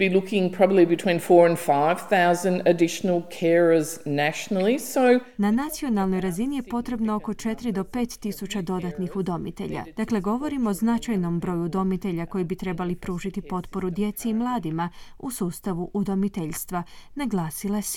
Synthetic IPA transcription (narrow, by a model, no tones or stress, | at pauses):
bilʊkɪ̃ŋpʰɹ̥ɑbəblibɨtʰw̥ĩnfɔɹɨ̃nfaɪv̥θaʊzə̃ndɨdɪʃnl̩ˠkʰɛɹəznæʃnl̩ˠisoʊ | nanat̪sio̞nalˠno̞jɾazinije̞po̞t̪ɾe̞bnaoko̞t͡ʃe̞t̪ɾid̪o̞pe̞ːt̪ːisut͡ɕad̪o̞d̪at̪nixud̪o̞mḭt̪e̞̰ʎa̰d̪̥akle̞ɡo̞ʋo̞ɾimoznat͡ʃajno̞mbɾo̞jud̪o̞mit̪e̞ʎako̞jibit̪ɾe̞balipɾuːʒit̪ipo̞t̪po̞ɾud̪je̞t̪seimlˠaːd̪ima | usuːst̪aʋuʔud̪o̞mit̪eʎst̪ʋanaɡlˠaːsilˠas